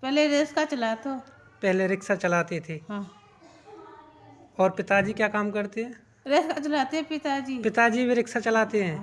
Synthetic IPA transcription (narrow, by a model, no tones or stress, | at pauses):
pɛɦleɾeːskat͡ʃɐlat̪o | pɛɦleɾɪksat͡ʃɐlaːt̪et̪ʰeːɦãː | ɔːɾpɪt̪ad͡ʒikjaːkaːmkɐɾt̪eɦɛ̃ː | ɾeːskat͡ʃɐlaːt̪eɦɛpɪt̪ad͡ʒiːpɪt̪ad͡ʒibʱiɾɪksat͡ʃɐlaːt̪eɦɛ̃ː